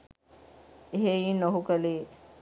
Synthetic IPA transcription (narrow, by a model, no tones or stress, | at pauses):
ɦeinəɦukəli